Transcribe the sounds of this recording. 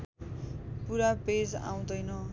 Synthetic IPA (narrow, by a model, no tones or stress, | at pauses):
puɾaped͡za̰w̃d̪ʌjnʌ